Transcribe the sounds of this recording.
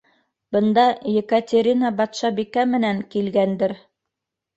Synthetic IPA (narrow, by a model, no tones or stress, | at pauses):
bɤ̆nd̪ɑjĕkat̪ʲeɾʲinɑbɑt̪ʃɑbikæmɘ̆næŋkilɡænd̪ɘɾ